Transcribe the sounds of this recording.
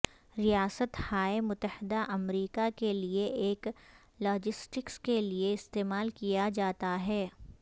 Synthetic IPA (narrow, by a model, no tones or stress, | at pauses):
ɾijaːsət̪haːemʊt̪ːəhɪd̪aʔɐmɾiːkakelieʔeːk | lɔːd͡ʒɪsʈɪkskelieɪst̪eːmaːlkijad͡ʒaːt̪aɦɛː